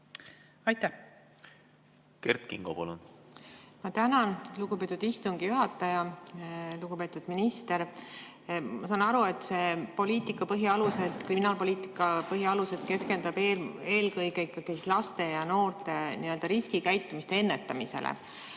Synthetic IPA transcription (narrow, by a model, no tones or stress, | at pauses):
ɑjt̪æh | kert̪kḭŋɡ̥o̰pɑ̰lṵn | mɑt̪ænɑnluɡ̥upe̞t̪ːˑud̪̥ist̪uŋɡ̥ijuɦɑt̪ːˑɑjɑ | luɡ̥upe̞ːt̪ːˑud̪̥minist̪e̞ɾ | mɑsɑːnɑɾue̞t̪ːse̞po̞lʲiːt̪ˑikːˑɑpɤɦjiɑluse̞d̪̥kriminɑːlpo̞liːt̪ˑikːˑɑpɤɦjiɑluse̞d̪̥ke̞skend̪̥ɑbeeːlkɤjɡeikːˑɑɡ̥isislɑst̪e̞jɑno̞ːrt̪ˑe̞niø̞ld̪ɑɾiskikæjt̪ːˑumist̪eenːe̞t̪ːɑmise̞̰lʔḛ